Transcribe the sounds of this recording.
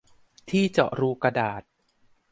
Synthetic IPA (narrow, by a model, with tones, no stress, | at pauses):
t̪ʰiː˥˩t͡ɕɔ̰˨˩ʔɾuː˧ka˧daː˨˩t̪̚